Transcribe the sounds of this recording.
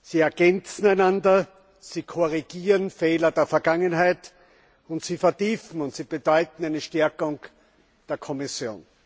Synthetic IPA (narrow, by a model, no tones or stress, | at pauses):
siːɛɐɡ̥ɛnt͡sn̩æɪnandɐ | siːkʰɔʁiɡ̥iːʁənfeːlɐdeːɐfɛɐɡ̥aŋənɦæɪt | ʊntsiːfɛɐtiːfn̩ʊntsiːb̥əd̥ɔʏtn̩æɪnəʃtɛɐkʊŋ | d̥eːɐkʰɔmɪsjo̰ːn